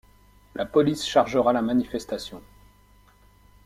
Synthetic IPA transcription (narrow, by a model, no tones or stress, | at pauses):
lʔapɔlisʃaʁʒəʁalamanifɛst̪asjɔ̃